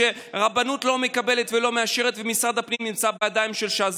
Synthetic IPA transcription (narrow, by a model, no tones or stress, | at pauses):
e̞ʁabanut̪lo̞me̞kabe̞le̞t̪velo̞meaʃe̞ʁet̪vemisʁad̪hapnimnimt͡sabejadajmʃelʃaːz